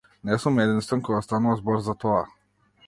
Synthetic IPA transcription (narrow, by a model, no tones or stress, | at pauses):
nɛsumɛd̪inst̪ankɔɡast̪anuvazbɔɾzat̪ɔa